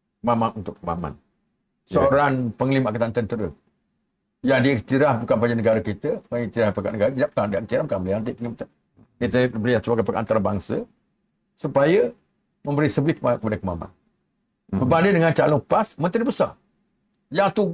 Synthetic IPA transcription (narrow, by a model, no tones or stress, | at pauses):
kəmamanunt̪ʊʔkkəma̰ma̰n | səoɾanpəŋlimaʔkat̪ant̪ənt̪əɾə̰ | jaŋdiikt̪iɾahbukanpaɲd͡ʒanəɡaɾəkit̪əpaik̚t̪iɾahpaka̰ʔnəɡaɾət̪idap̚kandiʔik̚t̪iɾahbukanməliant̪̬əpəŋimat̪a | it̪əbɾijaŋt͡ʃuakapakaa̰nt̪aɾəbaŋsə | supajə | mə̃mbəɾisəbɪt̪̚kakːəpadəkəma̰ma̰n | bərbandidəŋant͡ʃalʊŋpasmə̃nt̪ɾibəsa̰ | jaŋt̪u